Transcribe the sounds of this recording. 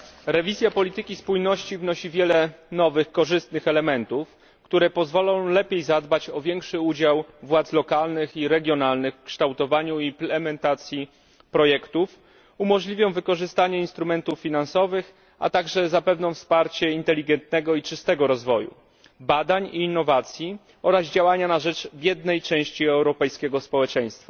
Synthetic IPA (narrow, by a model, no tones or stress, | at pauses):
ɾɛvʲizʲjapɔlʲit̪ɘkʲispujnɔɕt͡ɕivnɔɕivʲjɛlɛnɔvɘxkɔʐɘst̪nɘxɛlɛmɛnt̪uf | kt̪uɾɛpɔzvɔlɔ̃w̃lɛpʲjejzad̪bat͡ɕɔvʲjɛŋkʂɘud͡ʑawvwat̪slɔkalnɘxiɾɛɡʲjɔnalnɘxkʂt̪awt̪ɔvaɲuiplɛmɛnt̪at̪sʲji | pɾɔjɛkt̪uf | umɔʐlʲivʲjɔ̃w̃vɘkɔʐɘst̪aɲɛinst̪ɾumɛnt̪ufːʲinansɔvɘx | a̰t̪aɡʐɛzapɛvnɔ̃w̃fspaɾt͡ɕɛint̪ɛlʲiɡɛnt̪̚nɛɡɔit͡ʂɘst̪ɛɡɔɾɔzvɔjṵ | bad̪aɲiːnːɔvat̪sʲji | ɔɾazd͡ʑawaɲanaʐɛt͡ʂbʲjɛd̪nɛjt͡ʂɛ̃w̃ɕt͡ɕiɛwɾɔpɛjskʲɛɡɔspɔwɛt͡ʂɛ̃j̃st̪fa